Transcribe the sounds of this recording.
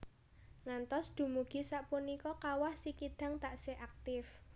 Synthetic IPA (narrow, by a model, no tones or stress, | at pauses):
ŋant̪ɔsd̪̥ṳmuɡ̥i̤saʔpunikɔkawahsikid̪̥a̤ŋt̪aʔseʔak̚t̪ɪf